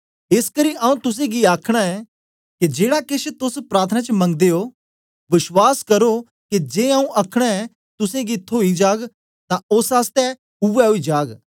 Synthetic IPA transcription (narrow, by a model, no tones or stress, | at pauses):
ɪskɐɾiaũt̪ʊs̬ẽɡiaːkʰɽ̃aɛ | ked͡ʒeːɽakɪʃt̪ʊspɾaːɾt̪ʰənãt͡ʃəmɐ̃ŋɡ̚d̪eo | ʋɪʃwaːskɐɾo | kid͡ʒeːaːũʔɐkʰɽ̃aɛ | t̪ʊsẽɡit̪ʰːoːid͡ʒaːɡ | t̪ãʊsaːst̪ɛ | ʊʋɛɦoid͡ʒaːɡ